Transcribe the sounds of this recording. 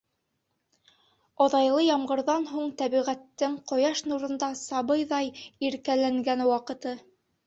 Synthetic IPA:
oðɑjlˠɤjɑmʁɤ̆ɾðɑnɦuɴt̪æβiʁæt̪ːɘŋqŏjɑʃnuɾɤ̆nd̪ɑsɑβɤjðɑjiɾkælæŋɡænwɑqɤ̆t̪ɤ

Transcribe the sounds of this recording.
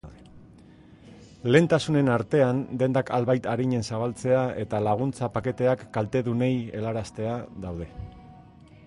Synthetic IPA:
ðe | le̞ːnt̪asune̞naɾt̪e̞and̪e̞nd̪aka̰lβajt̪aɾiɲe̞nsaβ̞alt͡se̞ae̞t̪alaɣ̞unt͡sapake̞t̪e̞akːalt̪e̞ðune̞je̞laɾast̪e̞aðawð̞e̞

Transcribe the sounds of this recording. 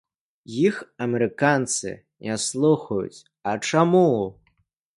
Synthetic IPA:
jixɐmʲɛɾɨkant̪sɨ̰ | nʲaslˠuxɐjṵt͡sʲ | ɐt͡ʂamu

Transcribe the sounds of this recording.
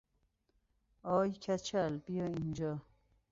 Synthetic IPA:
ɒːjkʰæt͡ʃʰælbijɒːind͡ʒɔː

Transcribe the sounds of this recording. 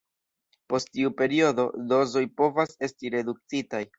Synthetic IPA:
po̞sttiupe̞ɾio̞do̞do̞zo̞jpo̞vase̞stiɾe̞duk̚t͡sitaj

